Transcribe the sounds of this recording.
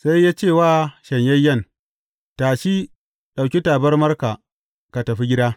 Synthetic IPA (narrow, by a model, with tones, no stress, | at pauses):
sa˦jːaː˦t͡ʃeː˦˨waː˦˨ʃɐ˨ɲjɐ˦jːɐ˦˨n | taː˨ʃi˦ | ɗa˨wkʲi˦taː˨bɐ˦rmɐ˦rka˨ | ka˨tɐ˨ɸi˦ɡʲɪ˦daː˦